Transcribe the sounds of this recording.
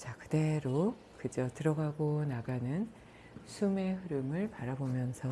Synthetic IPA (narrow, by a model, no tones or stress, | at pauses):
t͡ɕakɯde̞ɾo | kɯd͡ʑʌtɯɾʌɡaɡonaɡanɯn | sʰume̞ɸɯɾɯmɯɭpaɾabomjʌnsʰʌ